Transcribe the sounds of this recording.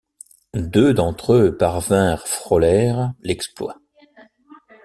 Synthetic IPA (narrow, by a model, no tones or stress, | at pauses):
d̪ød̪ɑ̃t̪χøpaʁvɛ̃ʁfχɔlɛʁlɛksplwa̰